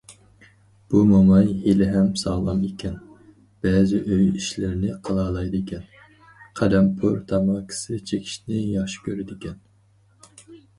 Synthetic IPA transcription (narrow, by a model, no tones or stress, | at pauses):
b̥umɑmɑjhelɪɦɛmsɑːlˠɑmekʲʰɛn | b̥ɛːzɪʔøjiʃlɪɾɪnɪqʰəlˠɑːlˠɑjd̪ɪkʲɛn | qʰæd̪ɛmpʰṵɾt̪ʰɑmɑkʲʰɪ̥sɪt͡ʃʰekʲʰi̥ʃnɪjɑχʃi̥kʲʰøɾɪd̪ɪkʲɛn